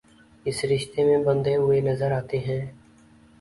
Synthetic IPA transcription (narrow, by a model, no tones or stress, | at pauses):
ɪsɾɪʃt̪emẽbɐ̃nd̪eɦʊenɐzəɾaːt̪eɦɛ̃ː